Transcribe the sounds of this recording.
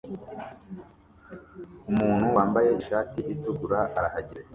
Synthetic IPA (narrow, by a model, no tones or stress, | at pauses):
umuːn̥huwaːmbaje̞iʃaːtiʔituɡuɾaʔaɾahaɟiɾe